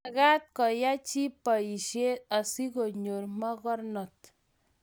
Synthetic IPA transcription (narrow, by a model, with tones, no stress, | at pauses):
ɡa˦t̪̚kɔ˨ja˦t͡ʃi˦pɔ˨i˨ʃe˦ɔ˨si˦ɡo˨ɲo˨ɾmɔ˦ɡɔ˦ɾnɔ˨t̪